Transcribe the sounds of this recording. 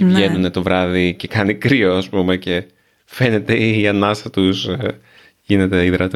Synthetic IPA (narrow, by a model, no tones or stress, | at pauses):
vʝenunet̪o̞vɾɐðice̞kɐnikɾio̞ɐspumece̞ | fe̞ne̞t̪e̞ɐnɐst̪ɐt̪us | ʝine̞t̪e̞iðɾɐt̪